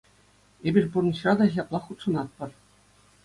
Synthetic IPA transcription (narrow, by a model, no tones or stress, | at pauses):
ebʲirʲburnĭɕrɑd̪ɑɕɑplˠɑχut̪ʂɤ̆nɑt̪̚pɤ̆rʲ